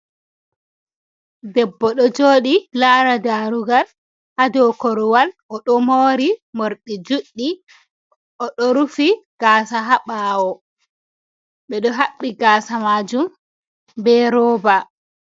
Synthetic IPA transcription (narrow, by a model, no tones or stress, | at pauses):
dɛbːɔɗɔd͡ʒoːɗilaːɾadaɾuɡal | ʔadɔkɔɾwalɔɗɔmoːɾimoɾɗid͡ʒuɗːi | ʔɔɗɔɾufiɡ̥aːsaɦaɓaːwɔ | ɓɛɗɔɦaɓːiɡaːsamaːd͡ʒum | bɛɾɔːba